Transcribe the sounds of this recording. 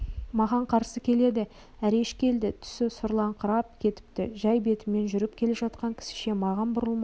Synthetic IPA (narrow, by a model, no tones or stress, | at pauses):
mɑʁɑɴqʰɑɾsəkʲʰe̞le̞d̪ɪ | æɾe̞ʃkʲe̞ld̪ɪt̪ʰʏ̥sɪsʊɾlˠɑɴqʰəɾɑp̚kʲʰe̞t̪ɪ̥p̚t̪ɪ̰ʒæjbe̞t̪ɪme̞nʒʏɾɪp̚kʲʰe̞le̞ʒɑt̪̚qɑŋkʲʰɪ̥sɪ̥ʃe̞mɑʁɑnbʊɾəlˠmɑ